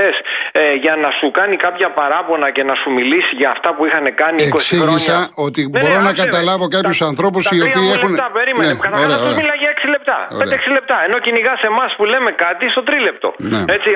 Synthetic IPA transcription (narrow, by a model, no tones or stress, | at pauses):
esʝɐnɐsukɐnikɐpçɐpɐɾɐpo̞nɐce̞nɐsumilisiʝɐːft̪ɐpuixɐne̞kɐniekossiʝisɐo̞t̪iboɾo̞nɐkɐt̪ɐlɐvo̞kɐpçusɐnθɾo̞pusiopiːexunt̪ɐpeɾimeenekɐθɐoɾeɐomilɐʝɐeksile̞p̚t̪ɐ̰o̰ed̪eeksile̞p̚t̪ɐe̞nociniɣɐse̞mɐspule̞me̞kɐt̪ist̪o̞t̪ɾile̞p̚t̪o̞̰nḛe̞t͡si